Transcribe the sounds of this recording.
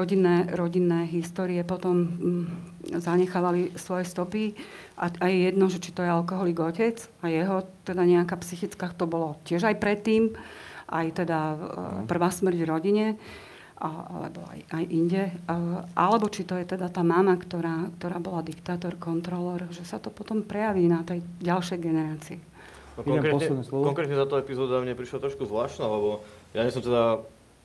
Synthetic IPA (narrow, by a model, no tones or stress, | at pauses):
ɾɔɟinːɛːɾɔɟinːɛːɦist̪ɔːɾiɛpɔt̪ɔm | zaɲɛxaːʋalisʋɔjɛst̪ɔpi | ʔaajɛjɛd̪nɔʒɛt͡ʃi̥t̪ɔjɛalkɔɦɔliːɡɔcɛt͡s | ajɛɦɔt̪ɛd̪aɲɛakaːpsixit͡skaːkt̪ɔbɔlɔcɪɛʒajpɾɛt̪ːiːmʔa̰jt̪ɛd̪apr̩ʋaːsmr̩ɟʋɾɔɟiɲɛ | aʔa̰lɛ̰bɔ̰a̰jajʔiɲɟɛʔalɛbɔt͡ʃit̪ɔjɛt̪ɛd̪at̪aːmamakt̪ɔɾaːkt̪ɔɾaːbɔlad̪ikt̪aːt̪ɔɾkɔnt̪ɾɔlɛɾʒɛsat̪ɔpɔt̪ɔmpɾɛjaʋiːnat̪ɛjɟalʃɛjɡɛnɛɾaːt͡siɛ | ɔkkɔŋkɾɛɛɔkɔŋkɾɛt̪ɲɛt̪at̪ɔɛpizɔːd̪amɲɛpɾiʃlat̪ɾɔʃkuzʋlaːʃt̪naːlɛbɔjaɲɛsɔmt̪ɛd̪a